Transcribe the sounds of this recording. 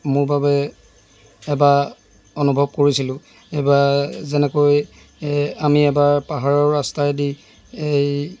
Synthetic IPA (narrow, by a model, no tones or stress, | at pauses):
mʊɹbabɛ | ba | onubʱɔb̚koɹisilʊ̃ | ebazɛnɛkoj | amiɛbaɹpaɦaɹɔɹːastajdi | ej